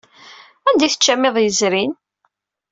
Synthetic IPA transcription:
ænd̪iθə̥t͡ʃːæmːɪðˤjəzɾin

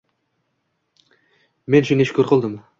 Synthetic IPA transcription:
menʃineʃkʲʰɵɾqʰolˠd̪əm

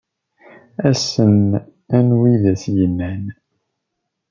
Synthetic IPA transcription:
æsən | ænwiðæsjəmːæn

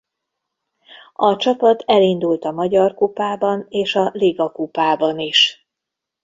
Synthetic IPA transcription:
ɒt͡ʃɒpɒt̪ɛlind̪ult̪ɒmɒɟɒrkupaːbɒneːʃɒleːɡɒkupaːbɒniʃ

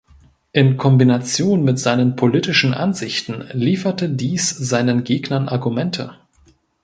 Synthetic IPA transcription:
ʔɪnkʰɔmbinat͡sjoːnmɪtz̥aɪnənpʰoliːtɪʃn̩ʔa̰nzɪçtn̩liːfɐtədiːsz̥aɪnənɡeːɡnɐnʔa̰ɐɡumɛntʰə̰

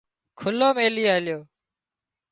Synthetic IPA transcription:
kʰʊloːmeːliːaːljoː

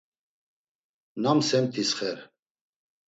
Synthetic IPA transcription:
namsɛmt̪ʰisχɛɾ

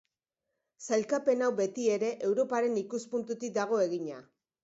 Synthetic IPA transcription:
sajlkape̞nawbe̞t̪ie̞ɾe̞ʔe̞wɾo̞paɾe̞nikuspunt̪ut̪ik̚d̪aɣ̞o̞e̞ɣiɲa

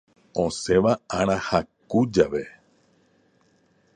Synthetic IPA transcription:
õse̞ʋaaɾ̃ãhakud͡ʒaʋe

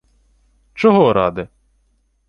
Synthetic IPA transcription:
t͡ʃɔɦɔɾɑ̰d̪ɪ

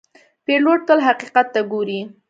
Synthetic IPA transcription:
peloʈ̚t̪əlɦaqiqat̪ːaɡoɾi

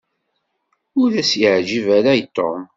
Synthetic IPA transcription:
ʊɾæsjəʕd͡ʒivæɾajt̪ːo̰m

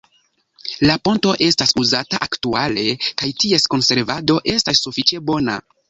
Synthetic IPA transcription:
lapo̞nto̞ʔe̞stasuzataʔaktuale̞kajtie̞sko̞nse̞ɾvado̞ʔe̞stasːufit͡ʃe̞bo̞na̰

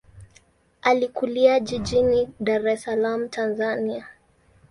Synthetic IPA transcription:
alikuliaʄiʄiniɗaɾɛsalam̩tʰanzania

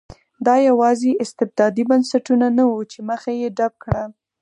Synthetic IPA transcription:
d̪ɑjawɑzeʔɪst̪ɪb̚d̪ɑd̪ibansaʈunanawut͡ʃeməxajeɖab̚kɽa

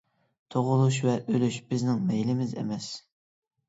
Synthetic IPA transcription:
t̪ʰoʁʊlˠuʃvɛʔølyʃb̥ɪznɪŋmɛjlɪmɪzḛmɛs

